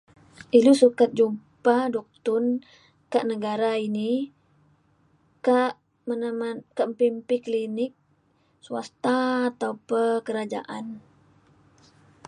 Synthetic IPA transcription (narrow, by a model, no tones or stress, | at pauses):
ʔilusukat̪̚d͡ʒumpadɔk̚t̪ʊn | kaʔnəɡaɾaini | kaʔ | mənamakəmpimpiklinɪk̚ | sua̰st̪aːt̪aupəkəɾad͡ʒa̰ʔan